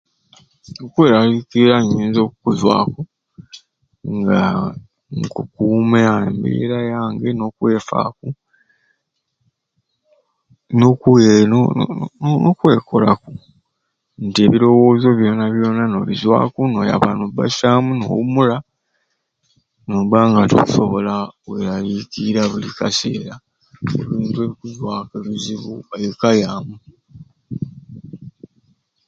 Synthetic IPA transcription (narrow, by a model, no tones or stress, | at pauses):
nokweɾaɣikiɾaɲːiːnzo̞ːkukuzwa̰ːku | ŋɡa | ŋkukuːmeambḛɾajaːŋɡeno̞kwe̞ːfa̰ku | nokeno̰ | nokwe̞ːkʰo̞laku̥ | ntie̞ːβiɾo̞wo̞ːzo̞βjo̞ːnaβjo̞ːnano̞βizwa̰ːkuno̞ːja̰βa̰noba̰ʃaːmuno̞̰wumula | noβaːŋɡatṵku̥so̞βo̞laweɾalikiɾaβulikase̞ːɾa | ḛβiːntue̞βikuzwaːkeβiziβuajokajaːmu